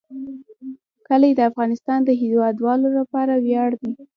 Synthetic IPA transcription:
kəlajed̪əafɣɑnɪst̪ɑnd̪əɦiwɑd̪wɑlolapɑɾawjɑɽd̪i

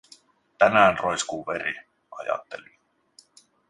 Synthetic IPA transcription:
t̪ænæːnrojskuːʋe̞ɾi | ʔɑjɑ̰t̪ːe̞li

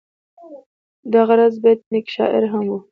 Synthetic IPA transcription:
d̪aɣaɾazbɑjad̪nekʃɑ̰ʔɪ̰ɾɦamwu

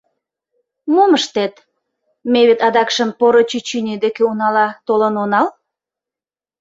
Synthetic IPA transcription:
moməʃt̪et̪ | meβet̪ɑd̪ɑkʃəmpoɾot͡ɕyt͡ɕynʲid̪ekeunɑlɑt̪olənonɑl

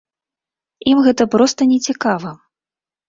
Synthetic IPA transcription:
imɣɛt̪ɐpɾɔst̪ɐnʲɛt͡sʲikavɐ

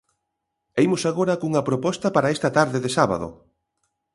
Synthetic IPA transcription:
ejmʊsaɣoɾɐkuŋɐpɾopɔst̪ɐpaɾaest̪ɐt̪aɾðɪðɪsaβa̰ðo̰

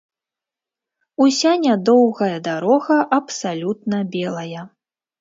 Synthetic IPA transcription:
usʲanʲad̪ɔwɣɐjɐd̪aɾɔɣɐʔɐpsalʲut̪̚nɐbʲɛlˠɐjɐ

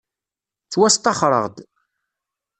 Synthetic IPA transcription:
t͡sːwæst̪ˤɑχɾˤə̰ʁd̪

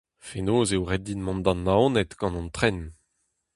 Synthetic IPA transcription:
fenoːzewʁɛdinmɔ̃nd̪ɑ̃nːaonɛt̪ɡ̥ɑ̃nɑ̃nt̪χɛn

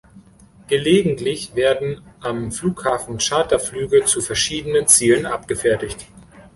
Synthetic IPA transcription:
ɡ̥əleːɡŋ̩tlɪçv̥eːɐdn̩ʔamfluːkhaːfn̩ʃaːtɐflyːɡət͡sufɛɐʃiːdənənt͡siːlənʔap̚ɡ̥əfɛɐtɪçt

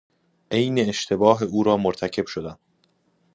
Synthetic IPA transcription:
ʔe̞jne̞ːʃt̪ʰe̞bɒːɦeuːɾɒːmoɾt̪ʰæcʰe̞b̥ʃod̪æn

